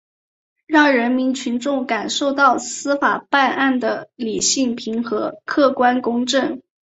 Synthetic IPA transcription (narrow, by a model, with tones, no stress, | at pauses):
ɻɑ˥˩ŋɻə˧˥nmi˧˥nt͡ɕʰy˧˥nʈ͡ʂʊ˥˩ŋka˨˩nʂo˥˧ʊt̪ɑ˥˩ʊsɹ̩˥fa˨˩pa˥˧nʔa˥˩nd̪ə˩li˨˩ɕi˥˩ŋpʰi˧˥ŋxɤ˧˥kʰɤ˥˩kwa˥nkʊ˥ŋʈ͡ʂɤ˥˩ŋ